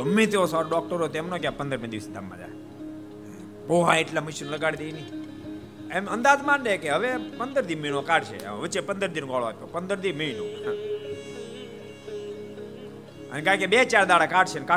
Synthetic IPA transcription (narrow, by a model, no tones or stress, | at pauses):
əmːẽt̪eosaɾoɖɔk̚ʈəɾot̪oɛmnokjãpənd̪əɾmẽd̪iʋəsid̪a̰mːã̰d͡ʒa̰e | boʋãeʈlamiʃinləɡaɽid̪eini | emənd̪ad̪mãnɖekeɦəʋepənd̪əɾd̪inminokaɽt͡ʃʰḛʋət͡ʃepənd̪əɾd̪inokɔɭa̰pəpənd̪əɾd̪inməinoa | ənekãkebet͡ʃaɾd̪aɽakaɽt͡ʃʰenka